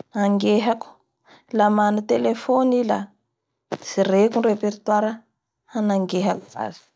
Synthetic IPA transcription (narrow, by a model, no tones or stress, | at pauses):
aŋɡeɦaku̥ | lamanut̪elefonila | z̥irekunrepeɾt̪waɾa | hanaŋɡeɦakuva̰zi̥